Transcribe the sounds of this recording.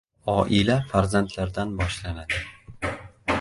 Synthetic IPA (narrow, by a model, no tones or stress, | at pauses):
ɒʔɪlafaɾzant̪ʰlaɾd̪anbɒʃlanad̪ɪ